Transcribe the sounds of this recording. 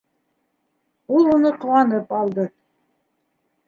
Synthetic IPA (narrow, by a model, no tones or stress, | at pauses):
ulˠunɤqŏwɑnɤpɑlˠd̪ɤ